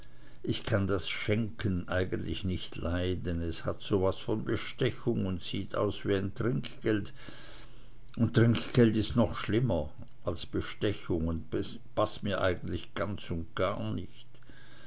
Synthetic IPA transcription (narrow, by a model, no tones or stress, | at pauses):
ʔɪçkʰandasʃɛŋkʰənʔaɪɡən̩tlɪçnɪçtlaɪdɛnɛshatz̥oːvasfɔnbəʃtɛçʊŋʊntsiːtʰa̰ʊsv̥iːaɪntʁ̥ɪŋkɡ̥ɛlt | ʊntʁ̥ɪŋkɡ̥ɛltɪstnɔχʃlɪmɐ | ʔalsb̥əʃtɛçʊŋʊntbe | pasmiːɐʔa̰ɪɡən̩tlɪçɡ̥ant͡sʊnt̚ɡ̥a̰ːɐnɪçt